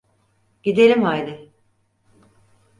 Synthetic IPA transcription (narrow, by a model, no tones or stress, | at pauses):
ɟ̥id̪elʲimhajd̪ɪ